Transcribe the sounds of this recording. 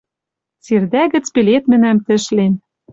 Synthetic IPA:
t͡serd̪æɣɘ̆t͡spelet̪mɘ̆næmt̪ɘ̆ʃlen

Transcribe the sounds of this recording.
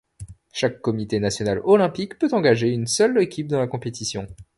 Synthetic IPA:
ʃakːɔmit̪enasjɔnalɔlɛ̃pikpøt̪ɑ̃ɡaʒeynsœlekʲʰip̚d̪ɑ̃lakɔ̃pet̪isjɔ̃

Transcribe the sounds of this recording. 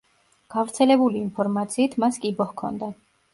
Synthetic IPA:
ɡ̥avɾt̪sʰɛlɛbuliːnpʰɔɾmat̪sʰiːt̪ʰmaskʼibɔhkʰɔ̰nd̪a

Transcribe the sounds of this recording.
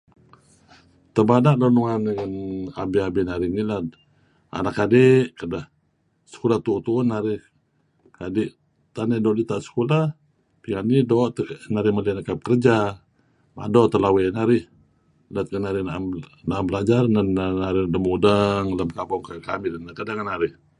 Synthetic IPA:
t̪əbadaʔdɔnuŋaniŋanabiabinaɾɪnilat̪̚ | a̰nakːadɪʔkədah | sə̥kulaht̪ut̪unaɾɪh | kadɪʔ | t̪anadɔʔlit̪aʔsə̥kula | piŋanidɔʔt̪naɾɪhməlianakap̚kərd͡ʒa | ma̰dɔʔt̪əlawenaɾɪh | lat̪̚kənaɾɪhnaʔnaambəlad͡ʒarnananaɾɪhləmudaŋləmkabɔŋkaka̰milənakadaŋanaɾɪh

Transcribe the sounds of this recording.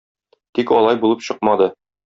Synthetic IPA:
t̪ikɒlˠɑjbulˠɤpɕɤqmɑd̪ɤ

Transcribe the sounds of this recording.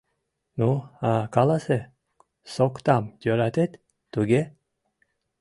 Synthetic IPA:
nuakɑlˠɑse | sokt̪amd̪ʲøɾat̪et̪ː | uɡʲe

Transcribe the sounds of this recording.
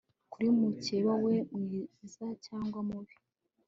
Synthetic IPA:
kuɾiumuceβawe̞mŋiːzacaːŋɡwamuβi

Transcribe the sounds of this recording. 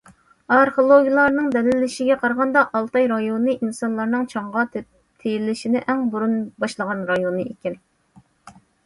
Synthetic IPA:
ɑɾχolˠoɡʲijlˠɑɾnɨŋd̪ɛlɪlɪʃiɡʲɛqʰɑɾʁɑnd̪ɑʔɑlˠt̪ɑjɾɑjonɨʔinsɑnlˠɑɾnɨŋt͡ʃʰɑɴʁɑ | t̪ʰejilɪʃinɪʔɛŋbuɾunbɑʃlˠəʁɑnɾɑjonɨekʲɪn

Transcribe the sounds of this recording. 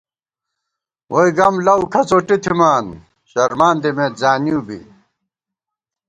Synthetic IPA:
wʔojɡɐmlɐwkʰɐt͡soːʈit̪ʰimaːn | ɕɐɾmaːnd̪imẽːt̪zaːniubḭ

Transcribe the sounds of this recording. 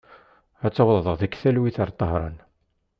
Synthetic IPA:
æt͡sːɑwlˤðˤəʁðəkθælwiθəɾˤt̪ˤːɑɦɾˤɑ̰n

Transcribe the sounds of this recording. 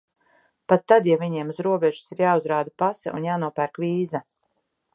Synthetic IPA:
pat̪ːad̪javʲiɲiɛmuzɾuɔbɛʒu̥siɾjaːuzɾaːd̪apasɛ̰ʔṵnjaːnuɔpæɾkviːza

